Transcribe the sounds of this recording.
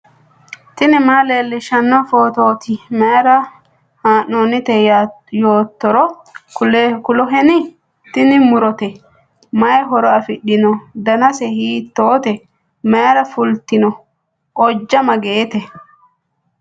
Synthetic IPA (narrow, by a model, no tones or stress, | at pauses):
t̪ɪnɪmaːleːlːɪʃɐnːɐfoːt̪oːt̪ɪmeːɾɐ | haːnːonːɪt̪ɛj | joːt̪ːɔɾɔ | ʊlkʊlɔɦɛnɪ | t̪ɪnɪmʊɾɔt̪ɛ | mɐjɛɦɔɾɔɐfɪɗːɪnɔd̪ɐnɐsɛhiːt̪ːoːt̪ɛ | meːɾɐfʊlt̪ɪnɔ | ʔɔd͡ʒːɐmɐɡeːt̪ɛ